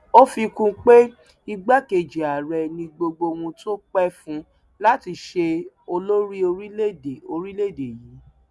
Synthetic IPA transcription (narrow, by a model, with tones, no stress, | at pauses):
o˦fi˧kũ˧k͡pe˦ | i˧ɡ͡ba˦ke˨d͡ʒi˨a˨ɾɛ˨nĩ˧ɡ͡bo˧ɡ͡bo˧wũ˧to˦k͡pɛ˦fũ˦ | la˦ti˧ʃe˧ | o˧lo˦ɾi˦o˧ɾi˦le˦de˨o˧ɾi˦le˦˨de˨ji˨˦